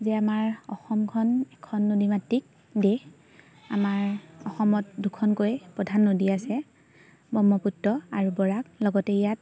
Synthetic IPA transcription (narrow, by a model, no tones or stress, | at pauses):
zɛamaɹɔ̰xɔmkʰɔnɛkʰɔnːodimatːik̚ | de | a̰maɹɔxɔmɔt̚dukʰɔnkojpɹɔdʱanːodiasɛ | bɔmːɔputːɔaɹubɔɹak̚lɔɡɔtɛijat̚